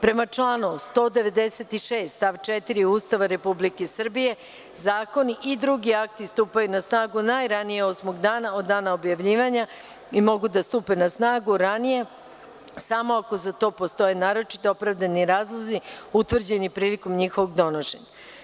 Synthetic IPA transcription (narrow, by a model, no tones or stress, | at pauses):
pɾe̞mat͡ʂlˠaːno̞ʋust̪o̞ːd̪e̞ʋe̞d̪eset̪iʃe̞ːst̪t̪aʋt͡ʃet̪iɾiust̪aʋaɾe̞publikesr̩bije̞ | zaːko̞niʔid̪ɾuɡiak̚t̪ist̪uːpajunasnaːɡunajɾanijeo̞smoɡd̪aːnao̞d̪ːaːnaobjaʋʎiːʋaɲa | imo̞ɡud̪ast̪uːpe̞nasnaːɡuɾanije̞ | samo̞ako̞zat̪o̞ːpo̞st̪o̞jenaːɾo̞t͡ʃi̥t̪eopɾaʋd̪aniɾaːzlˠoziut̪ʋr̩d͡ʑenipɾiːliko̞mɲixo̞ʋoɡd̪o̞noʃe̞̰ɲa